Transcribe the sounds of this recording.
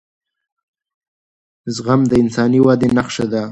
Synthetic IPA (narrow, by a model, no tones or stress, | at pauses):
zɣamd̪əɪnsɑniwad̪enaχʂad̪a